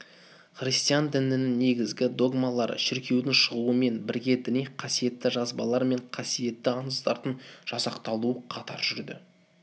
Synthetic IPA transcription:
χrist̪ijand̪ɪnɪnɪŋne̞ɡʲɪzɡʲɪd̪o̞ɡmɑlˠɑɾə̰ʃɪɾkʲʰe̞wd̪ɪŋʃəʁlˠuəme̞nbɪɾɡʲe̞d̪ɪnijqʰɑsije̞t̪ːɪʒɑzbɑlˠɑɾme̞ɴqʰɑsije̞t̪ːɪɑnəsd̪ɑɾd̪ənʒ̥ɑsɑqt̪ɑlˠuəqʰɑt̪ʰɑɾʒʏɾd̪ɪ̰

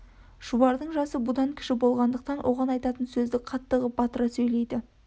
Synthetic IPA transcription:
ʒ̥ubɑɾd̪əɴʒɑsəbʊd̪ɑŋkʲʰɪ̥ʃɪbo̞lˠʁɑnd̪əq̚t̪ɑnwʔo̞̰ʁɑnɑjt̪ɑt̪ənsɵzd̪ɪqʰɑt̪ːəʁəb̥ɑt̪əɾɑsɵjle̞jd̪ɪ

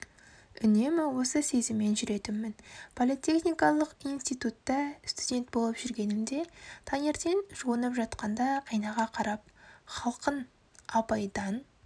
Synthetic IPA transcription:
ʏne̞mɪwo̞səse̞zɪmːe̞nʒʏɾe̞t̪ɪmːɪnpʰo̞lˠit̪ʲe̞χnijkɑlˠəqijnst̪ijt̪ut̪ːɑst̪ud̪ʲe̞nt̪̚bo̞lˠəpʒʏɾɡʲe̞nɪmd̪e̞t̪ʰɑne̞ɾt̪e̞nʒ̥uənəpʒɑt̪qɑnd̪ɑɑjnɑʁɑqʰɑɾɑp̚χɑlˠqən | ɑpɑjd̪ɑn

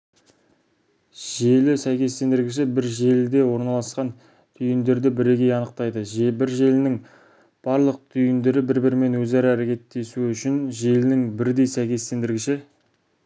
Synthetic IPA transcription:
ʒe̞lɪsæjkʲe̞st̪e̞nd̪ɪɾɡʲɪʃ̬ɪbɪɾʒe̞ld̪e̞wo̞ɾnɑlˠɑsqɑn | t̪ʰʏjɪnd̪e̞ɾd̪ɪbɪɾe̞ɡʲe̞jɑnəq̚t̪ɑjd̪əʒbɪɾʒe̞lɪnɪŋ | b̥ɑɾlˠəq̚t̪ʰʏjɪnd̪e̞ɾɪbɪɾbɪɾɪme̞nwɵzæɾɪæɾekʲe̞t̪ːe̞suʏʃɪnʒe̞lɪnɪŋbɪɾd̪e̞jsæjkʲe̞st̪e̞nd̪ɪɾɡʲɪʃɪ

